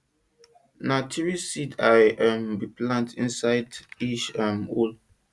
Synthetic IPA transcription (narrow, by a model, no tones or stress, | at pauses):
natʰiɹisidajʔambiplãntʰĩnsaɪdit͡ʃamul